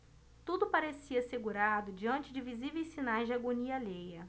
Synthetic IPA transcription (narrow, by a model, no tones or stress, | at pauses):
t̪ud̪ʊpaɾesiɐseɡuɾad̪ʊd͡ʒiɐ̃nt͡ʃɪd͡ʒɪvizivejssinajzd͡ʒɪaɡoniɐlejɐ